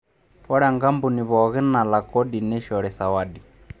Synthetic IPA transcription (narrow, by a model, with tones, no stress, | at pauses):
fɔ˦ɺa˨ŋɡa˦mbu˨ni˨βɔ˨ɣɛ˦na˨la˨kɔ˦di˨nɛ˦ʃɔ˨ɺɛ˨sa˨wa˦di˨